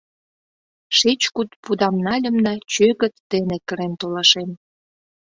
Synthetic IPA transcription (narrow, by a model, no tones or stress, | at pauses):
ʃet͡ɕkut̪̚pud̪ɑmnɑlʲə̆mnɑt͡ɕøɣə̆t̪ːenekəɾent̪olɑʃen